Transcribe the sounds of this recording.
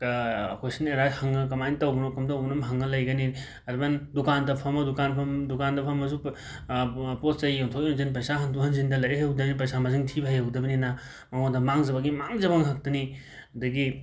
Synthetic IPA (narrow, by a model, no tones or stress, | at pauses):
kwesɐneɾahɐŋːɐk̬ɐmajnitɐwbnokɐmtawbnɐmɦɐŋːɐlɐjɡɐni | ɐɾbɐndukandɐpʰɐmɐdukanpʰɐmdukandɐpʰɐmɐzu | poszɐjjoŋtʰokinuzinp̬ɐjsaɦɐntʰuhɐnzindɐlɐjɐɦɐwdɐbinip̬ɐjsamɐziŋtʰibɐɦjawdɐbinina | mɐŋodɐmaŋzɐbaɡimaŋzɐbɐŋɦak̚tɐni | ɐdɐɡi